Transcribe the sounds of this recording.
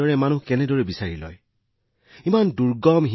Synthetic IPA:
ɔɹɛmanukɛnɛdɔɹɛbisaɹilɔ̰j | imanduɹɡɔmɦi

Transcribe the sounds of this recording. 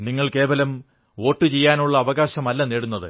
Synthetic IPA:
niŋːɐɭke̞ːʋɐlɐm | o̞ːʈːɨt͡ɕe̞jːaːnuɭːɐːʋɐɣaːɕɐmɐlːɐneːɽunːɐðɨ

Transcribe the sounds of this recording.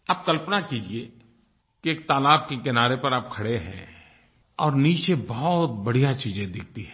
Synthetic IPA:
ɐb̚kɐlpnakiːd͡ʒie | kieːk̚t̪aːlaːb̚kekɪnaːɾepɐɾap̚kʰɐɽeɦɛ̃ː | ɔːɾniːt͡ʃebɔɦɔt̪̚bɐɽijat͡ʃiːd͡ʒẽd̪ɪk̚ʰt̪iɦɛ̃

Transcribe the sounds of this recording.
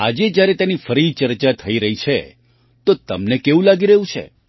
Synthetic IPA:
ad͡ʒed͡ʒjaɾɛt̪janifəɾit͡ʃəɾt͡ʃat̪ʰəiɾəɦit͡ʃʰḛ | t̪ot̪əmnekeʋũlaɡiɾəɦũt͡ʃʰḛ

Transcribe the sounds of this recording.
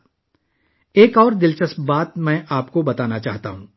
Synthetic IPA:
eːkɔːɾd̪ɪlt͡ʃəsbaːt̪mɛ̃ːʔaːpkobɐt̪aːnat͡ʃaːɦt̪aɦũː

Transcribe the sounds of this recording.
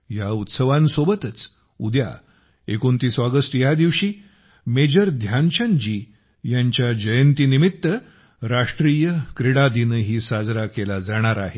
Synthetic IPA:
jaut̪səʋãnsobət̪ət͡s | ud̪ja̰ | ekont̪iːsaɡəsʈjad̪iʋɕiː | med͡ʑəɾd̪ʱjant͡ɕãnd͡ʑiː | jaɲt͡ɕjad͡ʑəjənt̪iːnimit̪ːə | ɾaʂʈɾiːjəkɾeɽad̪inəɦiːsad͡zɾakelad͡zaɽ̃aɾaɦe

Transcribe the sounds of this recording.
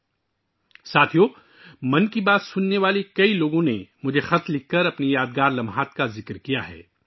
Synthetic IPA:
saːt̪ʰijoː | mɐnkibaːt̪sʊnːeʋaːlekɐiloːɡõnemʊd͡ʒʱexɐt̪lɪkːɐɾɐpnijaːd̪ɡaːɾlɐmɦaːt̪̚kazɪkɾkijaɦɛ̰ː

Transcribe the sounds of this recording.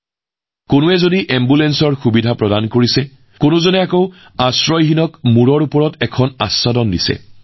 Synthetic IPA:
konʊɛzodiʔɛmbulɛnsɔɹxubidʱapɹɔdankoɹisɛ | konʊzɔnɛakoʊ | asɹɔjɦinɔkmuɹɔɹupɔɹɔtɛkʰɔnasːadɔndisɛ̰

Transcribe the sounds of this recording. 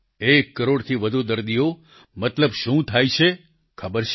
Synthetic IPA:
ekːəɾoɽt̪ʰiʋəd̪ʱud̪əɾd̪ijo | mət̪ləbʃũt̪ʰajt͡ʃʰe | kʰəbəɾt͡ʃʰ

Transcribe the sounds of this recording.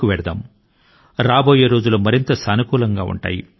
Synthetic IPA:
kuʋɛɽɐd̪ɐ̰m | ɾaːboːjeɾoːd͡ʒulumɐɾint̪ɐsɐnukuːlɐŋɡaːṵɳʈa̰ːjḭ

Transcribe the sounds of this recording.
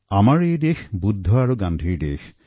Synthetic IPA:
amaɾejɖexbud̪ʱːoaɾoɡanɖʱiɾɖḛxʰ

